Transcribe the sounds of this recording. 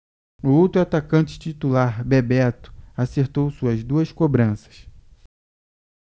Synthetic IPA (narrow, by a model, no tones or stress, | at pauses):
ʊowt̪ɾuat̪akɐ̃nt͡ʃɪ̥t͡ʃit̪ulaɾbebɛt̪ʊ̥aseɾt̪owsuɐzd̪uɐskobɾɐ̃sɐ̥s